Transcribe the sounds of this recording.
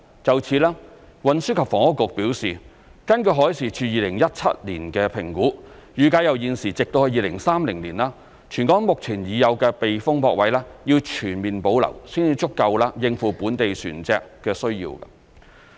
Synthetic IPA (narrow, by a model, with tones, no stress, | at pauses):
t͡sɐ˨wt͡sʰiː˨˧˥laː˥ | wɐ˨nsyː˥kʰɐ˨p̚fɔː˨˩ŋhʊ˥kːʊ˨k̚piː˨˥wsiː˨ | kɐ˥nkɵ˧ɦɔː˨˥jsiː˨˩t͡ʃʰyː˧jiː˨˧lɪ˨˩ŋjɐ˥t̚t͡sʰɐ̰˥t̚lḭː˨˩nkɛː˧pʰɪ˨˩ŋkuː˨˥jyː˨kaː˨˧jɐ˨wjiː˨˧nsiː˨˩t͡sɪ˨k̚t̪o˧whɐ˧jiː˨˧lɪ˨˩ŋsaː˥mlɪ˨˩ŋliː˨˩nlaː˥ | t͡ʃʰyː˨˩nkɔː˨˥ŋmʊ˨k̚t͡sʰiː˨˩njiː˨˧jɐ˨˧wkɛː˧pe˨jfʊ˥ŋpʰɔː˧k̚wɐ˨˥jlaː˥jiː˧wt͡ʃʰyː˨˩nmiː˨npo˨˥wlɐ̰˨˩wsiː˥ni˧t͡ʃʊ˥kːɐ˧wlaː˧˥jɪ˨ŋfuː˨˩puː˨˥nt̪e˨jsy̰ː˨˩nt͡sɛː˧kːɛː˧sɵ˥ɥjḭː˧wkɐ̰˧